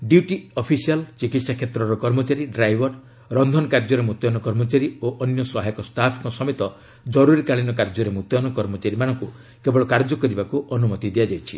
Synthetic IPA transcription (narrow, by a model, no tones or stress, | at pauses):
ɖiuʈiɔpʰisialt͡ʃikit̪sakʰet̪ɾɔɾɔkɔɾmɔt͡ʃaɾiɖɾajbɔɾ | ɾɔnd̪ʱɔnɔkaɾd͡ʒɔɾemut̪jɔnɔkɔɾmɔt͡ʃaɾioʔɔnjɔsɔɦajɔkɔsʈapʰikɔsɔmet̪ɔ | d͡ʒɔɾuɾikaɭinɔkaɾd͡ʒɔɾemut̪jɔnɔkɔɾmɔt͡ʃaɾimanɔ̃ŋku | kebɔɭɔkaɾd͡ʒɔkɔɾibakuʔɔnumɔt̪id̪iad͡ʒajt͡ʃʰi